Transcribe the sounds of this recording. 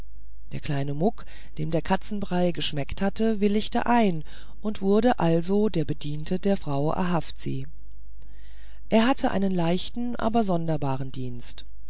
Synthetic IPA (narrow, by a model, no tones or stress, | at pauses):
d̥eːɐkl̥aɪnəmʊk | d̥eːmdeːɐkʰat͡sn̩bʁaɪɡəʃmɛkthatəvɪlɪçtə̰ʔaɪn | ʔʊntv̥ʊɐɾəʔalzodeːɐbədiːntʰədeːɐfʁ̥aʊʔɛ̰ɐɦaftz̥ḭː | ʔeːɐɦatʰəʔa̰ɪnənlaɪçtn̩ʔa̰ːbɐzɔndɐbaːʁəndiːnst